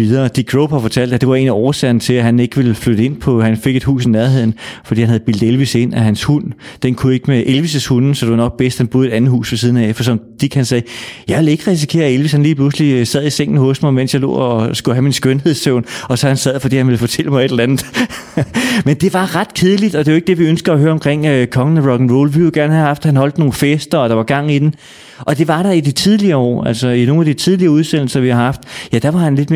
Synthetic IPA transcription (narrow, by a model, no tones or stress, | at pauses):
iðˠɐːd̥iɡ̥ʰʁɔʊb̥hɑ̈fɒ̽t͡sʰæl̰d̥æd̥e̝ʋɑ̈e̝ːniɒːɐsɛɐnt͡sʰe̝læɦæne̝ɡ̥əʋe̝lfløɾ̥əe̝n̰pʰɒ̽hænfe̝ɡ̥e̝d̥hṵːs̬inæɐɦe̝ð̰ˠn̩fɒdḭːhænhæð̩ˠb̥il̰d̥elʋise̝n̰æɦænshund̥enkʰue̝ɡ̥əmeʔelʋis̬əshunsɒ̽d̥e̝ʋɑnɒ̽ɡ̥̚b̥esd̥hænb̥oðˠe̝ɾ̥ænð̩ˠhṵːsʋɒs̬iːð̞ˠn̩æfɒs̬ɒ̽md̥iɡ̥hænsɛːjɑ̈ɪʋe̝le̝ɡ̥əʁɛs̬ikʰe̝̰ːɐelʋishænliːpʰluslisæð̰ˠiseŋ̰n̩hɔ̽sd̥mɑ̈ɪmen̰sjɑ̈ɪlo̰ːɒsɡ̥uɦæminsɡ̥ønɦeð̰ˠsøʊ̰nɒ̽sɒ̽hænsæð̰ˠfɒdḭːhænʋe̝lfɒ̽t͡sʰel̰əmɑɪeɾ̥lænð̩ˠ | mend̥e̝ʋɑ̈ʁɑ̈d̥kʰe̝ð̞ˠlid̥ɒ̽d̥e̝joeɡ̥̚d̥e̝ʋiønsɡ̥ɐːɦøːɐɒ̽mkʰʁeŋ̰økʰɒ̽ŋnəʁɒɡ̥n̩ʋo̰ːlʋiljoɡ̥æɐnhæhɑ̈fd̥hænɦɒ̽l̰d̥no̝ːn̩fesd̥ɐɒ̽d̥ɑ̈ʋɑ̈ɡ̥ɑ̈ŋ̰id̥en | ʔɒ̽d̥e̝ʋɑ̈ɾ̥ɑ̈idit͡sʰiðˠliɐːɒ̰ːæl̰sɒino̝ːnæd̥it͡sʰið̞ˠliɐːuð̞ˠsen̰l̩sɐʋihɑ̈hɑ̈fd̥jæd̥ɑ̈ʋɑ̈hænle̝d̥me